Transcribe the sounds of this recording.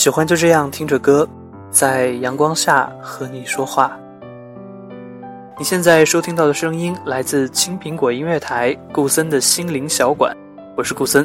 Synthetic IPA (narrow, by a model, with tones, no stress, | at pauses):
ɕi˨˩xwa˥nt͡ɕjo˥˧ʊʈ͡ʂɤ˥˧jɑ˥˩ŋt̪ʰi˥ŋʈ͡ʂə˨˩kɤ˥ | t͡sa˥˩ɪjɑ˧˥ŋkwɑ˥ŋɕja̰˥˩xɤ˧˥ni˨˩ʂwɔ˥xwa˥˩ | ni˨˩ɕjɛ˥˧nt͡sa˥˩ɪʂo˥ʊt̪ʰi˥ŋt̪ɑ˥˩ʊd̪ə˩ʂɤ˥ŋi˥nla˧˥ɪt͡sɹ̩˥˩t͡ɕʰi˥ŋpʰi˧˥ŋkwɔ˨˩i˥nɥɛ˥˩t̪ʰa˧˥ɪku˥˩sə˥nd̪ə˨ɕi˥nli˧˥ŋɕjɑ˧˥ʊkwa̰˨˩˦n | xwɔ˥˩ʂɻ̩˥˧ku˥˩sə˥n